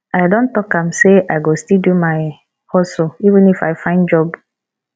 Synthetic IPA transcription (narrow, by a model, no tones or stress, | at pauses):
aɪdõn̩tɔkãmseʔaɪɡostildumaɪ | hɔsoivɨ̃nifa̰ɪfãɪ̃nd͡ʒɔb